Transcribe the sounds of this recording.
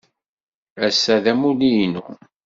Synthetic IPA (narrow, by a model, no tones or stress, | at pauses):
æsːæðæmulijnṵ